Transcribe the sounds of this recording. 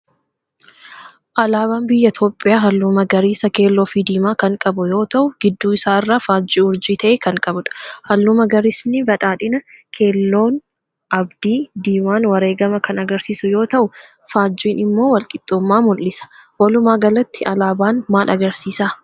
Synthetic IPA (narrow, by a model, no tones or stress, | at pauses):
ʔɐlaːbaːnbɪjːɐt̪ʰoːpʼːɪjaːɦɐlːʊmɐɡɐɾiːsɐke̞ːlːoːfiːd̪iːmaːkɐŋkʼɐbʊjo̞ːt̪ɐʔʊɡ̥ɪd̪ːuːɪsaːɪrːaːfaːd͡ʒːiːʊɾd͡ʒiːt̪ʰɐʔeːkɐŋkʼɐbʊᶑɐ̥hɐlːʊmɐɡɐɾiːsnɪbɐᶑaːᶑɪnɐkʰe̞ːlːo̞ːn | ʔɐbd̪iːd̪iːmaːnwɐɾe̞ːɡɐmɐkɐnɐɡɐɾsiːsʊjo̞ːt̪ɐʔʊ | faːd͡ʒːiːnɪmːo̞ːwɐlkʼɪt̪ʼːumːaːmʊlːɪsɐ̥wɐlʊmaːɡɐlɐt̪ːɪʔɐlaːbaːnmaːlʔɐɡɐɾsiːsaː